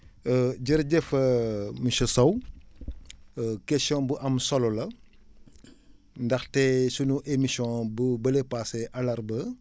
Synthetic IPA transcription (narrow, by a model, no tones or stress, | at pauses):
ɟəɾɟɛfɐmiʃɐsɐw | kɛsiɔ̃nbuʔɐmsɔlɔlɐ | ndɐxtɛsunuʔemisjɔ̃bubɐlepaːseʔɐlɐɾbɐ